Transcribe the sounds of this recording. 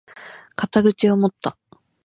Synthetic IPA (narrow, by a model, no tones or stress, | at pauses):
kat̪aɡɯ̟t͡ɕiomo̞t̪ːa